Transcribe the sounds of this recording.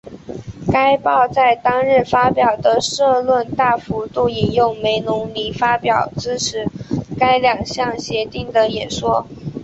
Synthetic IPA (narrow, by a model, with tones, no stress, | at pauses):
ka˥ɪpɑ˥˧ʊt͡sa˥˩ɪt̪ɑ˥ŋɻə˥˩nfa˥pjɑ˨˩ʊd̪ə˦ʂɤ˥˧lwə˥˧nt̪a˥˩fu˧˥t̪u˥˩i˨˩njʊ˥˩ŋme˧˥ɪnʊ˧˥ŋli˧˥fa˥pjɑ˨˩ʊt͡sɹ̩˥ʈ͡ʂʰɻ̩˧˥ka˥ɪljɑ˨˩ŋɕjɑ˥˩ŋɕjɛ˧˥t̪i˥˩ŋd̪ə˩jɛ˨˩nʂwɔ˥